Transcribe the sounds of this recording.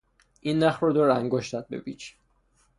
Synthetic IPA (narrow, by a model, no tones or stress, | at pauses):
ʔinːæxɾod̪oɾæŋɡoʃt̪æd̪̚bḛbit͡ʃʰ